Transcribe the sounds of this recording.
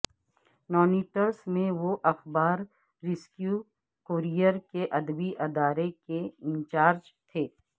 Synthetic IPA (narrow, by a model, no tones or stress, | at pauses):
mɔːniːʈəɾsmẽʋoʔɐxbaːɾː | ɪskju | koːɾijəɾkeʔɐd̪biʔɐd̪aːɾekeɪ̃nt͡ʃaːɾd͡ʒt̪ʰeː